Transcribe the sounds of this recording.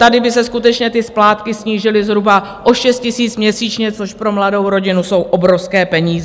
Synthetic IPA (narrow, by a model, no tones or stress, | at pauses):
t̪adɪbɪsɛskut̪ɛt͡ʃɲɛt̪ɪsplaːt̪kɪsɲiːʒɪlɪzɦɾubaʔoʃɛst̪̚cɪsiːt͡smɲɛsiːt͡ʃɲɛt͡so̞ʃpɾo̞mlado̞wɾo̞ɟɪnuso̞wʔo̞bɾofskɛːpɛɲiːzɛ